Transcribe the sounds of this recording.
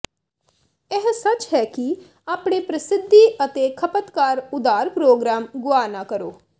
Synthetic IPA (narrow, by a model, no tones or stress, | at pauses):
ɛɦsət͡ʃɦɛːki | aːpɽeːpɾəsɪd̪ʱːiːət̪eːkʰəpət̪kaːɾʊd̪aːɾpɾoːɡɾaːmɡʊaːnaːkəɾoː